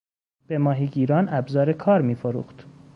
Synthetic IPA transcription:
b̥e̞mɒːɦiːɟiːɾɒːnæbzɒːɾe̞kʰɒːɾmiːfoɾṵːxt̪

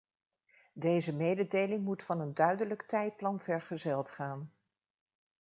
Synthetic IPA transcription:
dejzəmejdədejlɪŋmutfɑnəndœɥdələktɛjt̚plɑnvɛɹχəzɛlˠtχaːn

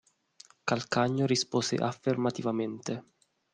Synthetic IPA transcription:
kalkaɲːoɾispoːsḛʔafːermat̪ivament̪e

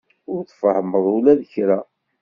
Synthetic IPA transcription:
ʊɾθfəhməðˤulæðçɾæ

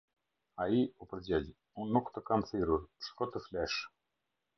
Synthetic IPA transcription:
aiupəɾd͡ʑɛl | unːukt̪əkamθiɾuɾpə̥ʃkɔt̪əflɛʃ

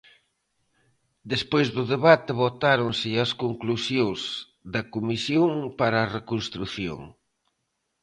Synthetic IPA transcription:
d̪espojzðʊðeβat̪ɪβot̪aɾonsɪɐskoŋklusjoŋz | ðɐkomisjoŋpaɾɐːrekonst̪ɾuθjo̰ŋ

